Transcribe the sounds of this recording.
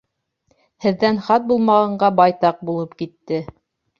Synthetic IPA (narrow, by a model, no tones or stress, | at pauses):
hɘ̆ðːænχɑt̪̚bulˠmɑʁɑɴɢɑbɑjt̪ɑq̚bulˠɤpkit̪ːɘ